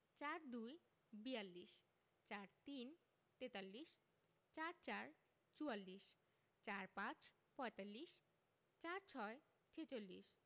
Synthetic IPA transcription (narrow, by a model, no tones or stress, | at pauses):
t͡ɕaɾd̪uj | bijalːiʃ | t͡ɕaɾt̪in | t̪et̪alːiʃ | t͡ɕaɾt͡ɕaɾ | t͡ɕualːiʃ | t͡ɕaɾpãt͡ɕ | pɔet̪alːiʃ | t͡ɕaɾt͡ɕʰɔe | t͡ɕʰet͡ɕolːḭʃ